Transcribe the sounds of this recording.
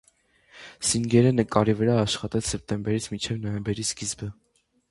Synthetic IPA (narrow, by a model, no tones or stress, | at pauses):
siŋɡɛɾɛnəkɑɾivəɾɑːʃχɑt̪ɛt͡sʰsɛp̚t̪ɛmbɛɾit͡sʰmint͡ʃʰɛvnɔjɛmbɛɾisɡizbə